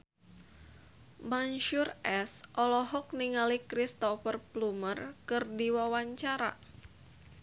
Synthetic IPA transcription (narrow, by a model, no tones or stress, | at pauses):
manʃʊrʔɛsʔɔlɔɦɔk̚niŋalikɾist̪ɔfərplumərkɨrdiwawaɲt͡ʃaɾa̰